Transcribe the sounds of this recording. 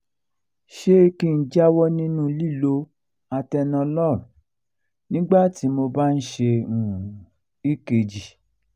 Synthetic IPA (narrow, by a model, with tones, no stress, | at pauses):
ʃe˦i˧ki˧n̩˦d͡ʒa˦wɔ˦nĩ˦nũ˦li˦˨lo˧ | a˧tɛ˧nɔ̃˧lɔ˦˨ɾ | nĩ˦ɡ͡ba˦˨ti˨˦mo˧ba˦n̩˦ʃe˧ũ˨ũ˨ | i˦ke˧d͡ʒi˨